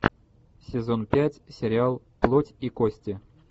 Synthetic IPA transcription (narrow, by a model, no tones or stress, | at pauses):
sʲɪzonpʲætʲsʲɪɾʲɪalˠ | plˠotʲikosʲtʲɪ